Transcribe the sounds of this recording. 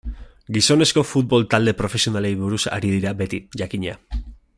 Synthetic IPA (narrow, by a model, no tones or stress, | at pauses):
ɡiso̞ne̞sko̞fut̪̚bo̞lt̪ald̪e̞pɾo̞fe̞sio̞nale̞jβuɾusa̰ɾiðiɾabe̞t̪iʝakiɲea